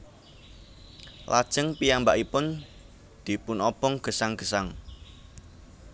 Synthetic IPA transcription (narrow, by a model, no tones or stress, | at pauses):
la̰d̥ʒ̥əŋpijambaʔipʊn | d̪̥i̤pʊnɔpɔŋɡ̥ə̤saŋɡ̥əsaŋ